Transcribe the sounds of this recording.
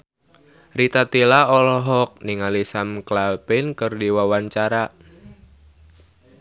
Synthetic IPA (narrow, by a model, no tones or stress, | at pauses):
rit̪at̪ilaɔlɔɦɔk̚niŋalisamklalpɪnkərdiwawaɲt͡ʃaɾa